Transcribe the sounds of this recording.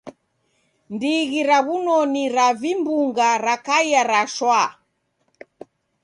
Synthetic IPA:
ndiɣiɾaβunɔniɾavimbuŋɡaɾakaijaɾaʃwa

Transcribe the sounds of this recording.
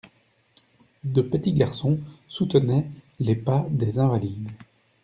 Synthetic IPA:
d̪əpət̪iɡaʁsɔ̃sut̪ənɛ | lepad̪ezɛ̃valid̪

